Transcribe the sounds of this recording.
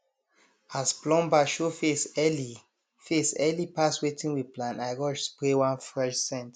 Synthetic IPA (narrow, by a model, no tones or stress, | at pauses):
asplɔ̃mbaʃofesɛli | fesɛlipaswetĩnwiplãnaɪɹɔʃspɹewãnfɹɛʃsɛ̃nt